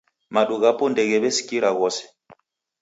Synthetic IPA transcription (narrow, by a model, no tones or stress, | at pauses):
maɗuɣapɔndɛɣɛβɛsi̥kiɾaɣɔsɛ̥